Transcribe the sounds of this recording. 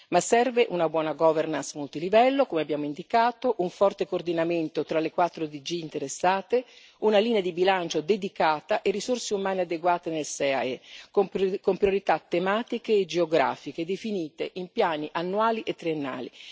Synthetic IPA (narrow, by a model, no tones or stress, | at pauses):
masɛrveʔunabwɔːnaɡɔːvernansmult̪ilivɛlːokomeabjaːmoind̪ikaːt̪oʔuɱfɔrt̪ekord̪inament̪ot̪ɾalekwat̪ːɾod̪id͡ʒiːnt̪eɾesːaːt̪e | unaliːnead̪ibilant͡ʃod̪ed̪ikaːt̪aʔerːisorseumaːnead̪eɡwaːt̪enelsɛa̰ɛkokompɾjoɾit̪at̪ːemaːt̪ikeːd͡ʒeoɡɾa̰ːfiked̪efiniːt̪eʔimpjaːniʔanːuaːliʔet̪ːɾienːa̰ːlḭ